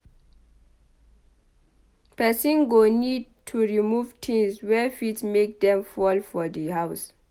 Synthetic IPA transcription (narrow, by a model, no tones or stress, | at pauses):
pɛsĩnɡonid̚tʰuɹimuvtʰĩŋswɛfitsmek̚dɛ̃mfɔlfɔdəɦaws